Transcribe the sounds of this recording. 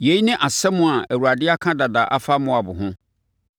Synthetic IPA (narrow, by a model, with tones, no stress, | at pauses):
je˨˦i˦nɪ̃˦ʔa˨sɛ˦mʊ̃˨a˨æ˨wu˨ɾa˨dɪ˦a˦kʰã˦da˨da˨ʔa˦fa˦mʊ̃˦a˨bʊ˨ɦʊ̃˦